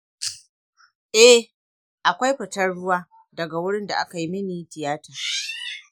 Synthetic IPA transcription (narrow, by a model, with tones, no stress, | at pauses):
ʔɛ˦ | ʔa˨kʷa˦jɸɪ˨tɐ˦rɽʊ˦waː˦ | dɐ˨ɡa˨wʊ˦ɽɪ˦nda˨ʔa˦ka˨ji˦mɪ˦niː˨tɪ˨jaː˦taː˨